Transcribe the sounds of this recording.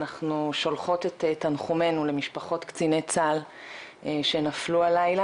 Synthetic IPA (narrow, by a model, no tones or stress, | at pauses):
naχnuʃo̞lχo̞tet̪etːanχume̞nule̞miʃpaχo̞tkt͡sine̞t͡sal | ʃe̞naflualajla